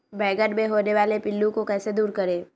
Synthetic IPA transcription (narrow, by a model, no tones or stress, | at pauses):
bɛːɡəʈmeɦoːneʋaːlepɪlːũkokɛːsed̪uːɾkɐɾeː